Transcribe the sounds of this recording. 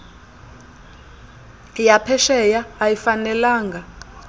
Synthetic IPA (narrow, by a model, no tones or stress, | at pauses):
japʰɛʃɛjaːjifanɛlaːŋɡa